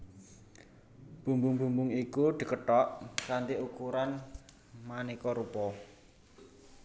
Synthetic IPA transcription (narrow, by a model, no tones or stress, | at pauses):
b̥ṳmbuŋbṳŋbuŋikuɖ̪̥ə̤kəʈɔʔkand̪iʔukuɾan | manikɔɾupɔ